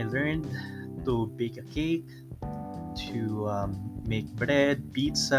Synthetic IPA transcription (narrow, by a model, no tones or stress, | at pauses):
jlɜ̃˞ndt̪ubeɪkɨkʰeɪk | tʰuʌ̃mːeɪk̚bɹɛd̚bitsʌ